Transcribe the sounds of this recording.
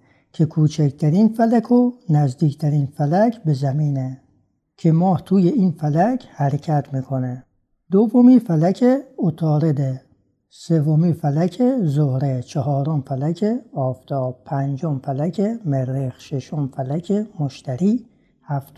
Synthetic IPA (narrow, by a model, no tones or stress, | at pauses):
kʰe̞kʰuːt͡ʃʰækt̪ʰæɾiːnfælækʰonæzd̪iːkʰt̪ʰæɾiːnfælæcʰbe̞zæmiːne | kʰe̞mɒːht̪ʰuːje̞iːnfælæcʰhæɾecʰæt̪ʰmiːkʰo̞ne | d̪ovːomiːfælækʰeot̪ʰɒːɾe̞d̪e | se̞vomiːfælækʰezohɾet͡ʃʰeɦɒːɾomfælæcʰeɒːft̪ʰɒːb̥̚pʰænd͡ʒomfælækʰemeɾːexʃeʃomfælæcʰemoʃt̪ʰæɾiː | hæft̪